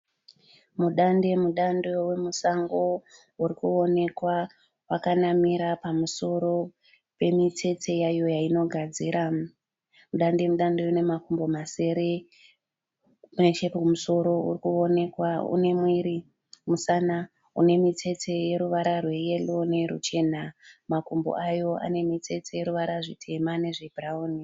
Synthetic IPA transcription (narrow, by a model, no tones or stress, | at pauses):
muɗande̞muɗando̞we̞musaŋɡo̞ | uɾikuo̞ne̞kwa | wakanamiɾapamuso̞ɾo̞ | pe̞mitʰe̞te̞jajo̞jaino̞ɡʱad͡ziːɾa | muɗande̞muɗandeune̞makumbo̞mase̞ɾe̞ | net͡ʃepeumuso̞ɾo̞ṵrikuo̞ne̞kwaṵne̞mwiɾi | musana | une̞mitʰe̞te̞je̞ɾuʋaɾarwe̞je̞lo̞ne̞ɾṵt͡ʃe̞namakumbo̰ʔajo̞a̰ne̞mitʰe̞t͡se̞je̞ɾuʋaɾaʐitʰe̞mane̞ʐebʱrauːni